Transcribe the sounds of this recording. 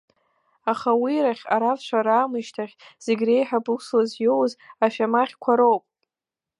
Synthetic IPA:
aχawiɾaχʲa̰ɾafʃʷaɾaːmɨʃtʰaχʲz̥eɡʲre̞jħabuslazjowzaʃᶣamaχʲkʷʰaɾowpʼ

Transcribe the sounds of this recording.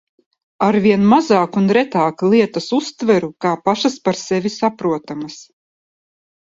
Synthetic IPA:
aɾviɛnmazaːkunɾɛt̪aːklˠiɛt̪ɐsust̪vɛɾukaːpaʃaspaɾsɛvisapɾuɔt̪amas

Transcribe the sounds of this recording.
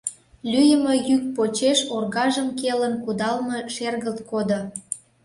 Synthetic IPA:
lʲyjəmə̽jyk̚pot͡ɕeʃorɣɑʒəmkelənkud̪ɑlməʃerɣəlt̪kod̪o

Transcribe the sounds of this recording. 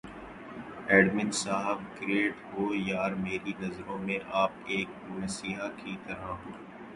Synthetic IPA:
ɛːɖmɪ̃nsaːɦɪbkɾeːʈɦoːjaːɾmeːɾinɐzɾõmẽʔaːpeːk̚ | oʋẽsiːɦakit̪ɐɾaɦoː

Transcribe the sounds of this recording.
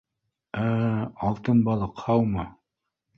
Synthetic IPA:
æɑlˠt̪ɤnbɑlˠɤqhɑwmɤ

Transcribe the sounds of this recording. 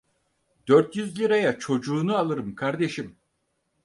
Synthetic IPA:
d̪øɾt̪jyzlʲiɾajat͡ʃʰo̞d͡ʒuːnualˠɯɾɯmkʰaɾd̪e̞ʃim

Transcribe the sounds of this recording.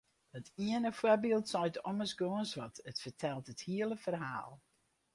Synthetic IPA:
hətiənəfwɔrbilˠtsɔjtɔməsɡoənsʋɔtətfərtʰɛlˠtəthiəlˠəfərɦa̰ːlˠ

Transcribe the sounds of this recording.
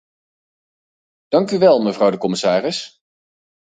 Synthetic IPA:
d̥ɑŋkyʋɛlˠməvrɑwdəkɔmɪsaːrɪs

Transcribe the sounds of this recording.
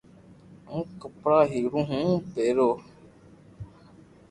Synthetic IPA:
ŋ̩kɨpɾaɦiɾũɦũpeɾo

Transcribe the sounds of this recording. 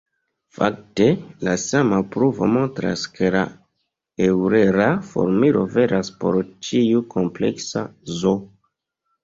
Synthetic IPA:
fa̰k̚te̞lasamapɾuvo̞̰mo̞ntɾa̰skʰe̞la̰ | ewɾeɾafo̞̰ɾmiɾo̞ve̞ɾʔaspo̞̰ɾt͡ʃiukʰo̞mple̞̰ksazo

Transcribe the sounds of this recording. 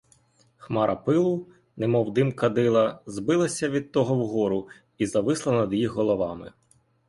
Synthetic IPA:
xmɑɾʔɐpɪlˠʊ | nemɔwd̪ɪmkɐd̪ɪlˠɐzbɪlˠɐsʲɐʋʲid̪̚t̪ɔɦɔwɦɔɾʊ | izɐʋɪslˠɐnɐd̪jixɦɔlˠɔʋɑmɪ

